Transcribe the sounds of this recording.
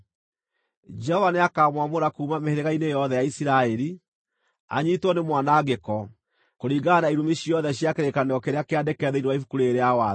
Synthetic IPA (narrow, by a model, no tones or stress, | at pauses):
d͡ʒɛhɔvaneakaːmwamoɾakuːmameheɾeɣainejɔðɛjaisiɾaɛɾi | a̰ɲiːtwɔnemwanaːɡekɔ | koɾiːɡanaiɾumeɕiɔðɛɕjakeɾekaneɔkeɾeakeadɛkɛðeinowaifukuɾeːɾeawa